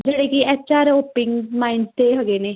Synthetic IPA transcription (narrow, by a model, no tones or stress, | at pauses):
d͡ʒeːɽeːkiɛt͡ʃaːɾoːpɪŋɡmaːɪɳɖt̪eːɦəɡeːneː